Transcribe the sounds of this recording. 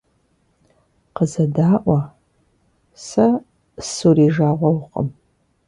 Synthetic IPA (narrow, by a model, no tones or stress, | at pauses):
qəzɐdaːʔʷɐ | sɐ | suriːʒaːʁʷɔwqʼə̰m